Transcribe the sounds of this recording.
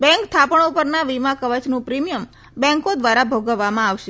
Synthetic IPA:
bɛ̃ŋkt̪ʰapəɳupəɾnaʋimakəʋət͡ʃnũpɾimijəm | bɛ̃ŋkod̪ʋaɾabʱoɡəʋːamãaʋʃe

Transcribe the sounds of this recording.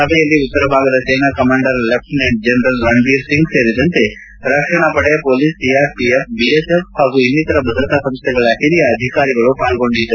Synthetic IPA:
sɐbʱɛjɐlːiut̪ːɐɾɐbʱaːɡɐd̪ɐseːnɐkɐmaːɳɖɐɾlep̚ʈineɳʈ̚d͡ʒenɾɐlɾɐɳʋiːɾsiŋɡseːɾid̪ɐnt̪e̞ | ɾɐkʂɐɳɐpɐɽɛjɐpoːlisijaːɾpiep̚biesefhaːɡuinːit̪ɐɾɐbʱɐd̪ɾɐt̪asɐmst̪ʰɛɡɐɭɐɦiɾijɐːd̪ʱikaːɾiɡɐɭupaːlɡo̞ɳɖid̪u

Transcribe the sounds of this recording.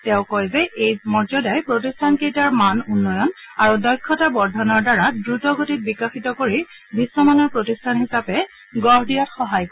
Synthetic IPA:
tɛ̃ʊ̃kɔjzɛʔejmɔɹzɔdajpɹotistʰankejtaɹmanunːɔjɔnaɹudɔjkʰːɔtabɔɹdʱɔnɔɹdaɹadɹutɔɡotit̚bikaxitɔkoɹi | bʱisːɔmanɔɹpɹotistʰanhisapɛ | ɡɔɦdijatxɔɦajk

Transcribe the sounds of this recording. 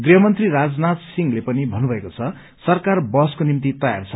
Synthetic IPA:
ɡriɦʌmʌnt̪riɾad͡znat̪siŋlepʌnibʱʌnːubʱʌekot͡sʰʌ | sʌrkarbʌskonimt̪it̪ʌja̰rt͡sʰʌ

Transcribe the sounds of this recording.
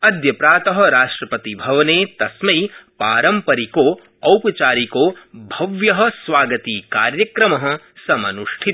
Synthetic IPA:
ɐd̪jɐpɾaːt̪ɐɦɐ̆ɾaːʂʈɾɐpɐt̪ibʱɐʋɐneːt̪ɐsmɐjpaːɾɐmpɐɾikoː | ɐwpɐt͡ʃaːɾikoːbʱɐʋjɐɦɐ̆sʋaːɡɐt̪iːka̰ːɾjɐkɾɐmɐɦɐ̆ | sɐmɐnuʂʈʰit̪

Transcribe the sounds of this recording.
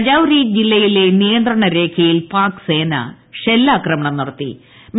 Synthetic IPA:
ɐd͡ʑaːʋɾiːd͡ʑilːɐjile̞nijɐnd̪ɾɐɳɐɾe̞ːkʰjɐjilpaːkɨ̥se̞ːnɐ̰ | ɕelːaːkrɐmɐɳɐmnirɐt̪ːḭ | m

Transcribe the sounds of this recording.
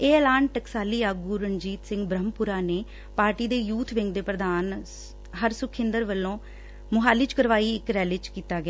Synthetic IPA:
eːlaːɳʈəksaːliːaːɡuːɾəɲd͡ʒiːt̪sɪ̃ŋɡbɾəmpʊɾaːneː | paːɾʈiːd̪eːjuːt̪ʰʋɪ̃ŋɡd̪eːpɾəd̪aːn | ɦəɾsʊkʰɪ̃nd̪əɾʋəlːõː | mʊɦaːliːt͡ʃkəɾʋaːiːɪkɾɛːlɪt͡ʃkiːt̪aːɡɛaː

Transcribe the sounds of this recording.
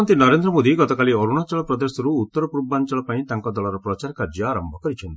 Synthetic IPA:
nt̪inɔɾend̪ɾɔmod̪iɡɔt̪ɔkalioɾuɽ̃at͡ʃɔɭɔpɾɔd̪esɔɾuːt̪ːɔɾɔpuɾbant͡ʃɔɭɔpaĩt̪aŋkɔd̪ɔɭɔɾɔpɾɔt͡ʃaɾkaɾd͡ʒɔaɾɔmbʱɔkɔɾit͡ʃʰɔnt̪ii

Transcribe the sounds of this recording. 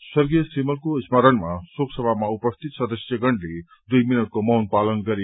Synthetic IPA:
swʌɾɡijʌsimʌlkoismʌɾənmasoksʌbʱamaupʌst̪ʰit̪sʌd̪ʌsjʌɡʌɳɖle | d̪ujminʌʈ̚komʌwnpalʌnɡʌɾe

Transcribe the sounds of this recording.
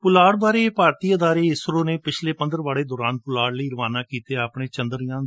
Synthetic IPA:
pʊlaːɽb̪aːɾeːpaːɾt̪iːəd̪aːɾeːɪsɾõːneːpɪt͡ʃʰleːpənd̪əɾʋaːɽeːd̪ɔːɾaːnpʊlaːɽləiːɾʋaːnãːkiːt̪eːapɳeːt͡ʃənd̪əɾjãː

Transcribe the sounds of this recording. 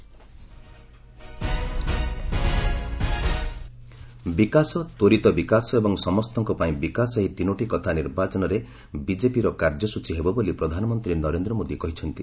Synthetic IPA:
bikasɔt̪oɾit̪ɔbikasɔebɔŋsɔmɔst̪ɔŋkɔpaĩbikasɔɦit̪inoʈikɔt̪ʰaniɾbat͡ʃɔnɔɾe | bid͡ʒepiɾɔkaɾd͡ʒɔsut͡ʃiɦebɔbolipɾɔd̪ʱanɔmɔnt̪ɾinɔɾend̪ɾɔmod̪ikɔɦit͡ʃʰɔnt̪i

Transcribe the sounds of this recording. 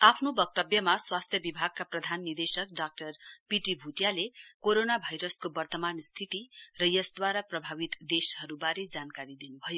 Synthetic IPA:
apʰnobʌk̚t̪ʌbjʌmaswast̪ʰjʌbibʱaɡ̚kaprʌd̪ʱanːird̪esʌk̚ɖak̚ʈʌrpiʈibʱuʈjalekoɾonabʱajɾʌskobʌrt̪ʌmanst̪ʰit̪irʌjʌsd̪waɾaprʌbʱawit̪d̪eshʌɾubaɾed͡zankaɾid̪inubʱʌjo

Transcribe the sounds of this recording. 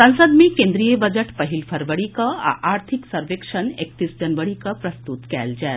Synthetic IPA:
sɐ̃ñsəd̪mẽkẽnd̪ɾijəbəd͡ʒəʈpəɦilpʰɐɾʋəɽikəa̰ʔaːɾt̪ʰiksɐɾʋekʂənek̚t̪isd͡ʒɐnʋəɽikəpɾɐst̪ut̪kɛld͡ʒɛː

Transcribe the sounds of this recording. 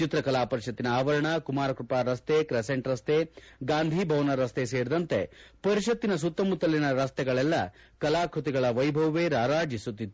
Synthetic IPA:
t͡ʃit̪ɾɐkɐlaːpɐɾiʃɐt̪ːinɐaːʋɐɾɐɳɐkumaːɾɐkɾupaːɾɐst̪ekɾɛseɳʈɾɐst̪eɡaːnd̪ʱibʱɐʋnɐɾɐst̪eseːɾid̪ɐnt̪epɐɾiʃɐt̪ːinɐs̬ut̪ːɐmut̪ːɐlinɐɾɐst̪ɛɡɐɭɛlːɐ | kɐlaːkʰut̪iɡɐɭɐʋɐjbʱɐʋʋeːɾaːɾaːd͡ʒisut̪ːit̪ːu

